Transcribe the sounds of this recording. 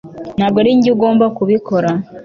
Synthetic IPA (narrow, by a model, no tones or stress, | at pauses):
naːbɡoɾiːɲɟiɡo̞ːmbakuβikʰo̞ɾa